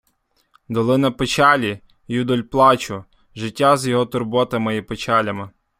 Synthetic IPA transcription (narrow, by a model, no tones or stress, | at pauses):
d̪ɔlˠɪnɐpɪt͡ʃɑlʲi | jud̪ɔlʲplˠɑt͡ʃʊ | ʒɪtʲːazjɔɦɔt̪ʊrbɔt̪ɐmɪipɪt͡ʃɑlʲɐmɪ